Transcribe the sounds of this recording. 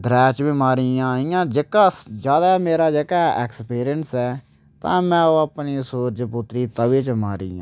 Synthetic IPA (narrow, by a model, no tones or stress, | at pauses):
d̪ɾɛːt͡ʃbɪmaːɾijãːijãːd͡ʒɪkaːd͡ʒjaːd̪aːmeːɾaːd͡ʒəɡaːɛːkspiːɾɪjənsɛː | t̪ã̰ːmɛ̃ːoːəpniːsoːɾd͡ʒpʊt̪ɾiːt̪əʋeːt͡ʃmaːɾḭːjã̰ː